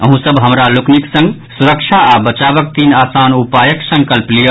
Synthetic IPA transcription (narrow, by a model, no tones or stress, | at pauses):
əɦũsəbɦəmɾalukniksə̃ŋɡ | suɾəkt͡ʃʰaabət͡ʃaβək̚t̪inasanupajəksə̃ŋkəlplijə